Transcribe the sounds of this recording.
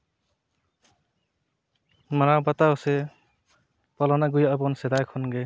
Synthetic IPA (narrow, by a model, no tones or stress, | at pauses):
manabat̪aɔse | pɔlɔnaɡujaabɔnsɛd̪ajkʰɔnɡe